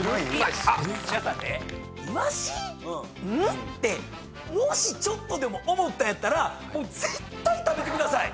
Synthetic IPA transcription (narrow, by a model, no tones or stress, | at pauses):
akanḛ | imaɕiːɯ̟̃ | t̪ːe̞ | moɕit͡ɕot̪ːo̞d̪e̞mo̞ʔomo̞t̪ːajat̪ːaɾa | mo̞ːd͡ze̞t̪ːait̪abe̞t̪e̞kɯd̪asaḭ